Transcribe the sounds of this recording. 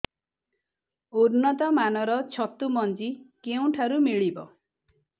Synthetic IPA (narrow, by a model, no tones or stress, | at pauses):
uɾnɔt̪ɔmanɔɾɔt͡ʃʰɔt̪umɔnt͡ʃikeũʈʰaɾumiɭibɔ̰